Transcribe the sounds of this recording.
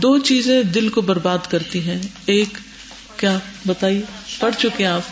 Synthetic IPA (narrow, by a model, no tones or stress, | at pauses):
d̪oːt͡ʃiːzẽd̪ɪlkobɐɾbaːd̪kɐɾt̪iɦɛ̃ː | eːkː | jaːbɐt̪aːiepɐɽt͡ʃʊkeẽaːp